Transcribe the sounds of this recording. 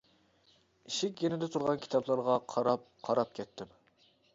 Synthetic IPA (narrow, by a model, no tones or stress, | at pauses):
iʃɪkʲjenɪd̪ɛt̪ʰuɾʁɑnkʲʰi̥t̪ʰɑbʰlˠɑɾʁɑqʰɑɾɑp̚qʰɑɾɑp̚kʲʰɛt̪ʰːɪm